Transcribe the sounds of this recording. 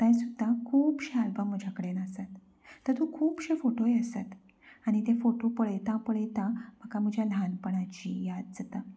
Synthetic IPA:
t̪jãjsud̪ʱːakʰuːpɕealbəmːəd͡ʑʱjakəɽenəsat̪ː | əɾt̪ũkʰuːpɕefoʈoeəsat̪ | aɽ̃it̪efoʈopəɭəjt̪ãpəɭəjt̪ãm̤əkam̤əd͡ʑʱjalʱanpəɽ̃at͡ɕijad̪̚d͡zət̪a

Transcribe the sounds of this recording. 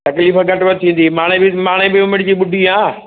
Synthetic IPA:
t̪ɐkliːfɡʱɐʈʋɐt̪ʰĩːn̆d̪imaːɽ̃ebɪmaːɽ̃ebɪmomɪ̃ɳʈd͡ʑiːɓʊɖʱiãː

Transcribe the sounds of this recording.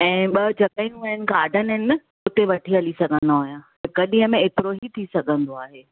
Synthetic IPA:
ɛ̃ːɓɐd͡ʑɐkaːĩjũɐɦɪnɪ̆kaːɖʱənəɦɪn | ʊt̪eʋɐʈʰiɦɐlisɐɡʱə̃nd̪aɦojãː | kɐɗĩɦəmẽɪt̪ɪɾoɦit̪ʰisɐɡʱə̃nd̪oaːɦeː

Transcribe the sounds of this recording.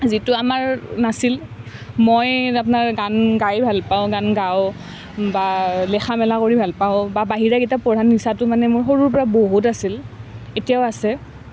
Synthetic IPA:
zitʊamaɹnasil | mojapnaɹɡanɡajbʱalpaʊ̃ɡanɡaw | balɛxʰamɛlakoɹibʱalpaʊ̃babaɦiɹaɡitapɔdʱanːisatʊmanɛmʊɹxoɹuɹp̬ɔɹaboɦutasiletijaʊasɛ

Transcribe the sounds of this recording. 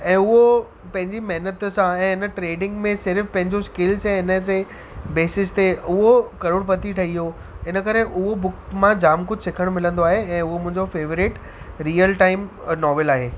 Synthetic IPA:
ɛ̃ːʊɦo | pɐ̃ɦɪ̃ɲd͡ʑimɐɦnət̪sãɛ̃ːɪnə̆ʈɾeːɖɪ̃ŋɡmẽsɪɾfpɐ̃ɦɪ̃ɲd͡ʑoskɪlsɛ̃ɪnəs̬e | beːsɪst̪ʰeʊɦokɐɾʊɽ̃pɐt̪iʈʰɐɦiɦo | ɪnə̆kɐɾeʔʊɦobʊkmãd͡ʑaːmkʊd͡ʑʱsɪkʰəɽ̃mɪlə̃nd̪oaːɦeɛ̃ːʊɦomʊ̃ɦɪ̃ɲd͡ʑofeːʋɾɪʈ | ɾiːəlʈaːɪm | nɔːʋɪlaːɦeː

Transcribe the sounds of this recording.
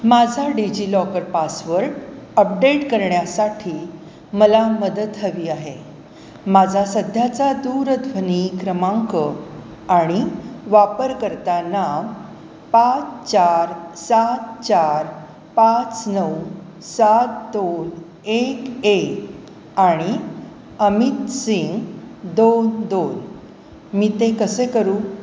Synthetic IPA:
mad͡zʱaɖid͡ʑilɔkəɾpasʋəɾʈ | əp̚ɖeʈkəɾɳjasaʈʰiː | məlaməd̪ət̪ɦəʋiːaɦe | mad͡zʱasəd̪ʱjat͡sad̪uɾət̪bʱənikɾəmãŋkə | aɽ̃iʋapəɾkəɾt̪anaʋ | pat͡st͡ɕaɾsat̪̚t͡ɕaɾ | pat͡snəw | sat̪̚d̪on | ekek | aɽ̃i | əmit̪siŋɡd̪ond̪on | miːt̪ẽkəsekəɾu

